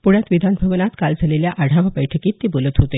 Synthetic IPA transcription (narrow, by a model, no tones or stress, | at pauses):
puɽjat̪ʋid̪ʱanbʱəʋnat̪kald͡zʱaleljaʔəɽ̤aʋəpəjʈʰəkiːt̪ːibolət̪ɦot̪e